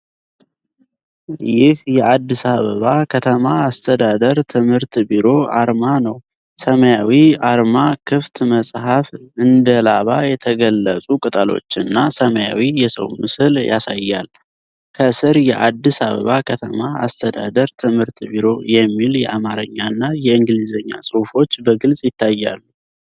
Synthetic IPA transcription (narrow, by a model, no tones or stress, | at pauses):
jɪhjɛʔad̪ːisaβəβakʰət̪ʰəmaːst̪ʰəd̪ad̪əɾt̪ʰɨmhɨɾt̪biɾo̞aɾmanəw | səməjawiaɾmakʰɨft̪məsʼhafɨnd̪əlaβajɛt̪ʰəɡəlːəsʼukʼɨt̪ʼalo̞̰t͡ʃːɨnːasəməja̰wijɛsə̰wmɨsɨljʔa̰sajːa̰l | kʰəsɨɾjɛʔad̪ːisaβə̰βakʰət̪ʰəmaa̰st̪ʰəd̪ad̪əɾt̪ʰɨmhɨɾt̪biɾo̞jɛmːiljɛʔamaɾəɲːanːajɛɨŋɡlizəɲːa̰sʼɨwfo̞t͡ʃːbəɡɨlsʼjɪt̪ʰːajːa̰lːu